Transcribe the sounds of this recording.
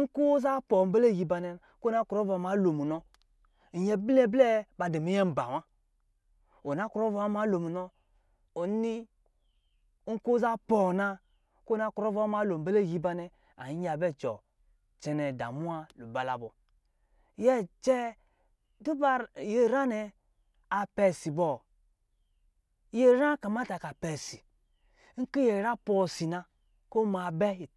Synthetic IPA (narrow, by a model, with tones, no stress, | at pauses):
ŋ̩˦ku˦za˦pɔ˨m̩˦be˦le˦˨ji˧ba˧nɛ˧ | ko˦na˦ku˨ɾɔ˦vma˨˦lo˨mu˨nɔ˧˨ | jɛ˦blɛ˦blɛ˦ba˧de˨mi˦jɛ˦m̩˨ba̰˨wa˦ | o˨na˦ku˨ɾɔ˦vɔ˨˦a˦ma˨˦lo˨mu˨nɔ˦ | o˨ni˦ | ŋ̩˦ko˦za˦pɔ˨na˧ | ko˦˨na˦kɾɔ˦vma˨˦lo˨m̩˨be˦le˦˨ji˦ba˧nɛ˨ | a̰˨i˦a˨bɛ˦˨t͡ʃɔ˨ | t͡ʃɛ˨nɛ˨da̰˨mu˦a˦lo˨ba˨la˨bɔ˨ | jɛ˦t͡ʃɛ˦ | du˦ba˦je˦˨ɾa˦nɛ˨ | a˨pɛ˨si˨bɔ˨ | je˦ɾa˦ka˨ma˦ta˨ka˨pɛ˨si˨ | ŋ̩˦ki˦je˨ɾa˦pɔ˨si˨na˧ | ko˦ma˨bɛ˦˨